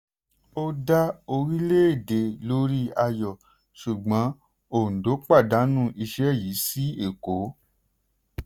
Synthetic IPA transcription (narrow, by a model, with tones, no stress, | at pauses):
o˦da˦o˧ɾi˦le˦e˦˨de˨lo˦ɾi˦a˧jɔ˨ | ʃu˨ɡ͡bã˨˦ | o˨n̩˨do˨˦k͡pa˦˨da˨˦nũ˦˨ʔi˧ʃɛ˦˨ji˨˦si˦e˦˨ko˨˦